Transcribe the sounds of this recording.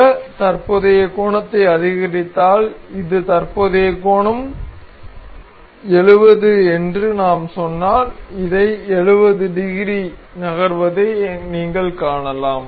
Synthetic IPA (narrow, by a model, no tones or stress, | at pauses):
ɐt̪ɐɾpoːðɐjɐkoːɳɐt̪ːɐɪɐðɪɣɐɾɪt̪ːaːlɪðɯt̪ɐrpoːðeːkoːɳɐm | ɛɻɯʋɐðɯɛndrɯnaːmsɔnːaːɾɪðɐɪɛɻɯʋɐðɯɖɪɣɪɾi | nɐɣɐɾʋɐðɐɪniːŋɡɐɭkaːɳɐlaːm